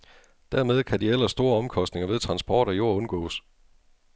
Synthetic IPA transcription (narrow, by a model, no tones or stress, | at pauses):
d̥æɐmeðˠkʰæd̥iel̰ɐsd̥o̝ːɐɒ̽mkʰɒ̽sd̥ne̝ŋɐʋe̝ð̞ˠt͡sʰʁɑ̈nsb̥ɒːɾ̥ɒjo̝ɐ̰ɔ̽nɡ̥ɔ̰ːs